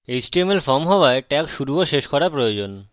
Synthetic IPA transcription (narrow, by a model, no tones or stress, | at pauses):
ed͡ʑʈiemeɾfɔɾmɦɔoaeʈɛkʃuɾuoʃeʃkɔɾapɾojod͡ʑon